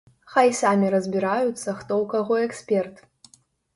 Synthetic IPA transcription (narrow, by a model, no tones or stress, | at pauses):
χajsamʲiɾɐzbʲiɾajut͡sʰːɐχtowkɐʁʷoekspʲertʰ